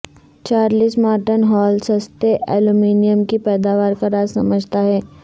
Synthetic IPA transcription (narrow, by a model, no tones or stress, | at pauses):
t͡ʃaːɾliːsmaːʈənɦɔːlsɐst̪eʔɛːlumiːnijəmkipɛːd̪aːʋaːɾkaɾaːzsɐməd͡ʒʱt̪aɦɛː